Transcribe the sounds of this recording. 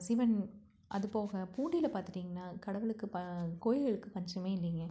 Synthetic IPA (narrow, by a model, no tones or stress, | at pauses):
sɪʋɐn | ʔɐ̰ðɯpoːɣɐpuːɳɖɪlɐpaːɾt̪ɪɾiːŋɡɐnːaːkɐɽɐʋɯɭɯkːɯpɐkoːjɪɣɐɭɯkːɯpɐɲd͡ʒɐmeːɪlːiŋɡɐ